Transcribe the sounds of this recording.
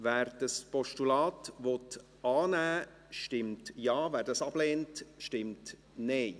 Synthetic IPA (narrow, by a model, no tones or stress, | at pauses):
væːɾd̥ɑspɔʃtulɑːtʋɔt | ɑːnæː | ʃtɪmtjɑːvæːɾdɑsɑb̥leːntʃtɪmt | neɪ